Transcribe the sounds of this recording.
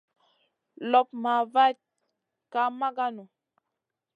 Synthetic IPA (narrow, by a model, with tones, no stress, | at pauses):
lɔ˨p̚ma˨va˦t̚ | ka˦ma˦ɡa˦nu˨